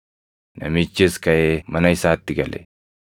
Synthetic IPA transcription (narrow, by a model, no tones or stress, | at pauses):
nɐ̰mit͡ʃːɪskɐjemɐnɐɪsaːt̪ːɪɡɐlɛ̰